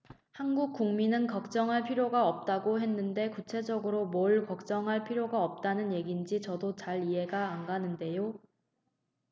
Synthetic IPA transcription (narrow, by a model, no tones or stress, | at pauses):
hanɡuk̚k͈uŋminɯnkʌk̚t͡ɕ͈ʌŋɦaɭpʰiɾjoɡaʌp̚t͈aɡoɦe̞nːɯnde̞kut͡ɕʰe̞d͡ʑʌɡɯɾomoɭkʌk̚t͡ɕ͈ʌŋɦaɭpʰiɾjoɡaʌp̚t͈anɯnje̞ɡind͡ʑit͡ɕʌdot͡ɕaɭiɦe̞ɡaːŋɡanɯnde̞jo